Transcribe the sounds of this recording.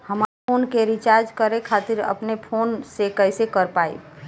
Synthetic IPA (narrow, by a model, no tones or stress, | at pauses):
həmapʰonkeɾit͡ʃaɾd͡ʒkəɾekʰat̪iɾə̰pnepʰonsekəɦsekəɾpaḭ